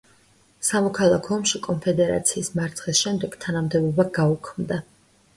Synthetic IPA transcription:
samɔkʰalˠakʰɔɔmʃikʼɔnpʰɛd̪ɛɾa̰t̪sʰiːsmaɾt̪sʰχisʃɛmd̪ɛɡ̥t̪ʰanamd̪ɛbɔbaɡaukʰmd̪a

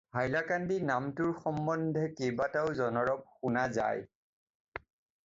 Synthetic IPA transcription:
ɦajlakandinamtʊɹxɔmbɔndʱɛkejbataʊzɔnɔɹɔp̚xunaza̰j

